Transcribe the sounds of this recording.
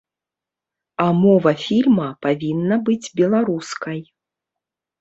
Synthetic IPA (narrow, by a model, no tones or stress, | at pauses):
amɔvɐfʲilʲmɐpavʲinːɐbɨd͡zʲbʲɛlˠaɾuskɐj